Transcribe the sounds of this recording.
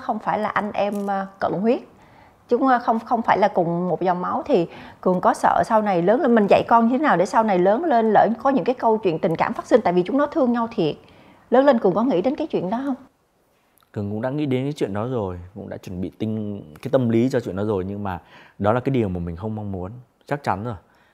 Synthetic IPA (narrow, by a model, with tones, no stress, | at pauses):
xə˧wŋ͡mfaː˧˩jlaː˨˩ʔa˧ŋ̟ʔɛ˧mː˨˩kə̰˧˨nhwi˦˥ət̚ | t͡ɕʊ˨˦ŋ͡mxə˧wŋ͡mxə˧wŋ͡mfaː˧˩jlaː˨˩kʊ˨˩ŋ͡mmo˨˩t̚za˨˩wŋ͡mma˨˦wt̪ʰi˨˩kɨ˨˩ənkɔ˨˦sə̰ː˧˩sa˧wna˨˩jləː˨˦nlə˧mï˨˩ŋ̟za̰˧˨jkɔ˧nɲɨ˧t̪ʰe˨˦naː˨˩wɗe˧˩sa˧wna˨˩jləː˨˦nle˧nlə̰ː˧˩jkɔ˨˦ɲɨ̰˧˥ŋkaː˨˦jkə˧wt͡ɕwḭ˧˨ənt̪ï˨˩ŋ̟ka̰ː˧˩mfa˦˥t̚si˧nt̪a̰ː˧˨jvi˨˩t͡ɕʊ˨˦ŋ͡mnɔ˨˦t̪ʰɨ˧əŋɲa˧wt̪ʰi˨˩ət̚ | ləː˨˦nle˧nkɨ˨˩əŋkɔ˨˦ŋḭ˧˥ɗe˨˦nkaː˨˦jt͡ɕwḭ˧˨ənɗɔ˨˦ɦə˧wŋ͡m | kɨ˨˩ŋkʊ̰˧˥ŋ͡mɗa̰ː˧˥ŋḭ˧˥ɗe˨˦nkaː˨˦jt͡ɕḭ˧˨ənɗɔ˨˦zo˨˩jkʊ̰˧˥ŋ͡mɗa̰ː˧˥t͡ɕwə˧˩nɓḭ˧˨t̪ï˧ŋ̟kaː˨˦jt̪ə˧mli˨˦t͡ɕɔ˧t͡ɕwḭ˧˨ənɗɔ˨˦zo˨˩jɲɨ˧ŋmaː˨˩ɗɔ˨˦laː˨˩kaː˨˦jɗi˨˩əwmaː˨˩mï˨˩ŋ̟xə˧wŋ͡mma˧wŋ͡mmu˨˦ən | t͡ɕa˦˥k̚t͡ɕa˨˦nəː˧˩